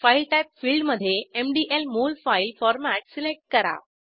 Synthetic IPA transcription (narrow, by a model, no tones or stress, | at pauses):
fajlʈajp̚fiːlɖməd̪ʱːjeemɖiʔelmoːlfailfɔɾmæʈsilek̚ʈ̚kəɾa̰